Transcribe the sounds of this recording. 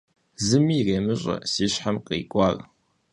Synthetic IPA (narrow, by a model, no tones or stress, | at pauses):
zɨmiːreːmɨɕʼɐ̰siːɕħamqḭːkʷʼɑːr